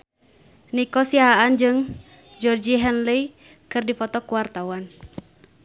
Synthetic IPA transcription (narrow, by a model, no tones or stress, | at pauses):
nikɔsiaɦaand͡ʒɨŋ | d͡ʒɔrd͡ʒiɦɛnli | kɨrdifɔt̪ɔkuwart̪awan